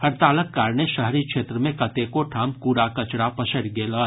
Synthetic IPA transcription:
hɐɾt̪aːləkːaːɾneʃɐɦɾikʃeːt̪ɾəmẽkɐt̪ekoʈʰaːmkuːɾakɐt͡ʃɽapɐsəɽɡeːlaː

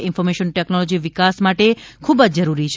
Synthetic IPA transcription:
ɪnfɔɾmeʃənʈɛknɔlod͡ʒiʋɪkasmaʈekʰubəd͡ʒd͡ʒəɾuɾit͡ʃʰ

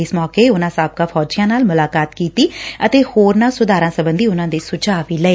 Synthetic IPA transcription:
ɪsmɔːkeːʊnãːsaːb̚kaːpʰɔːd͡ʒiːjãːnaːlmʊlaːkaːt̪kiːt̪iːət̪eːhoːɾnãːsʊd̪aːɾãːsəbənd̪iːʊnãːd̪eːsʊt͡ʃaːʋiːləeː

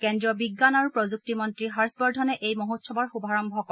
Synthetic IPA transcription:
kɛndɹiɔbiɡːanaɹupɹɔzuk̚timɔntɹiɦaɹsbɔɹdʱɔnɛʔejmɔɦotsɔbaɹxubʱaɹɔmbʱɔkɔ

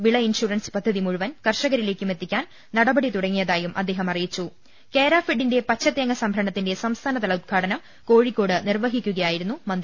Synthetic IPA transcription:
ʋiɭɐinʂuːrɐnspɐd̪ʱːɐðimuɻuʋɐnkɐrʂɐɣɐɾile̞ːkʲːume̞t̪ːikʲːaːn | nɐɽɐbɐɽit̪uɽɐŋːijɐðaːjumʔɐ̰d̪ːe̞ːɦɐmɐrijit͡ɕːu | ke̞ːɾaːfiɖːinde̞pɐt͡ɕʰːɐt̪ːjɐŋːɐsɐmbʱɐɾɐɳɐt̪ːinde̞sɐmst̪ʰaːnɐt̪ɐɭɐud̪̚ɡʱaːɽɐnɐm | ko̞ːɻikʲːo̞ːɽɨnirʋɐɦikʲːuɣɐjaːjiɾunːumɐnd̪

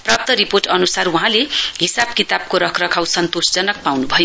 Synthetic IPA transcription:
prap̚t̪ʌɾiporʈʌnusaruɦãleɦisabkit̪ab̚koɾʌkʰrʌkʰawsʌnt̪osd͡zʌnʌk̚pawnubʱʌjo

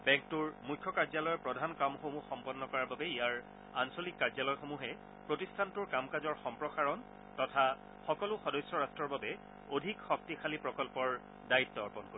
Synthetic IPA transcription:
bɛ̃ŋk̚tʊɹmujkʰːɔkaɹzalɔjɔpɹɔdʱankamxomuxɔmpɔnːɔkɔɹababɛijaɹ | ansolikːaɹzalɔjxomuɦɛ | pɹotistʰantʊɹkamkazɔɹxɔmpɹɔxaɹɔn | tɔtʰa | xɔkɔlʊxɔdɔjsjɔɹastɹɔɹbabɛ | odʱikxɔk̚tixʰalipɹɔkɔlpɔɹ | daitːɔɔɹpɔnko

